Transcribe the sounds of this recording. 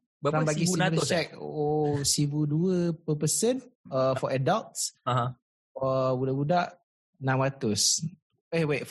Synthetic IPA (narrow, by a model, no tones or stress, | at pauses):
ɾabaɡisuilət͡ʃɛk̚o̰ʔosibuduəpəpəsənəfɔʔadalt̚saɦã | fɔbudaʔbudaʔ | nãmat̪ʊs | ewe